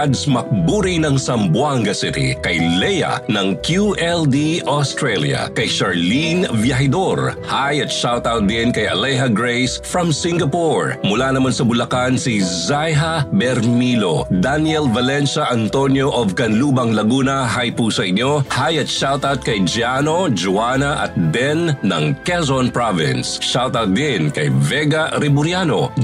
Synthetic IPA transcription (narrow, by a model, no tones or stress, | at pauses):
d̪smɐk̚buːɾinɐŋsɐmbwaŋɡɐsɪt̪ḭkɐjlɛjɐ̰nɐŋkʰjuʔɛld̪iost̪ɹɛljɐ̰kɐjʃɐɹlinvjɐɦɪd̪oɹhajɐt̪ʃawt̪awt̪̚d̪ɪnkɐjʔɐ̰lɛjɦɐɡɹejsfɹɐmsɪŋɡɐpuɹmʊlanɐmansɐbʊlɐkansizajɦɐbɛɾmilo̰d̪anjɛlvɐlɛnʃɐʔɐnt̪onjoʔovkɐnluːbɐŋlɐɡuːnɐɦajpusɐʔɪɲjo̞hajɐt̪̚ʃawt̪ɐt̪̚kɐjd͡ʒanod͡ʒʊaːnɐʔɐ̰t̪̚bɛnːɐ̰ŋkɛzonpɹavɪ̰nsʃawt̪ad̪ɪnkɐjvɛɡɐɾɛbʊɾjano